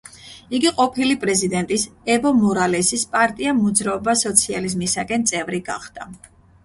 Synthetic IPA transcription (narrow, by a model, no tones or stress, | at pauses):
iɡiqʼɔpʰilipʼɾɛzid̪ɛnt̪ʼisɛbɔmɔɾalɛsispʼaɾt̪ʼiamɔd̪zɾaɔbasɔt̪sʰializmisakʼɛnt̪sʼɛvɾiɡa̰χd̪̥a